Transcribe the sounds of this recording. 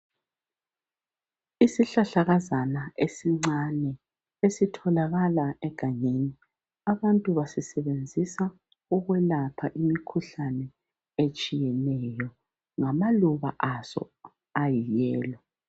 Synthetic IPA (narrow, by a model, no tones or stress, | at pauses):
isiɬaɬaɣazanaʔesiŋ͡ǀanɛ | esitʰɔlaɣalaɛɡ̥ʱaɲeni | aβantʼuβasisɛβend͡zʱisa | uɣwɛlapʰaʔimikʰuɬanɛ | et͡ʃʼijɛnɛjɔ | ŋamaluβa̰ʔasɔ̰ | ajijɛːlɔ